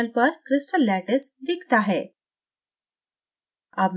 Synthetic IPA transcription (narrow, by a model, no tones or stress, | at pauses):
alpəɾkɾɪsʈəlːæʈesd̪ikʰt̪aɦe | abm